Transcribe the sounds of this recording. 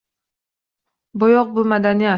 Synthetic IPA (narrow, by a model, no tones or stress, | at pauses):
bɒjɒq̚bʊmad̪anija